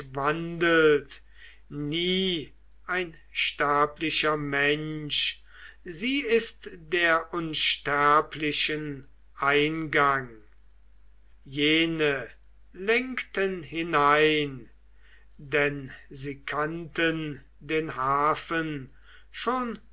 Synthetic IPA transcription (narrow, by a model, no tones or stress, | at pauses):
vandəlt | niː | ʔaɪn | ʃtæɐplɪʃɐmɛnʃ | ziːɪstd̥eːɐʔʊnʃtæɐpʰlɪʃən | ʔaɪnɡaŋ | jeːnə | lɛŋktənhɪnaɪn | dɛnziːkʰantən | deːnhaːfən | ʃoːn